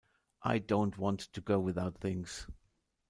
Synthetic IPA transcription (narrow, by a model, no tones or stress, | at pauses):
ʔa̰ɪdõʊ̃nt̚wɑ̃ntʰɨɡoʊwɨðaʊt̪̚θɪ̃ŋz̥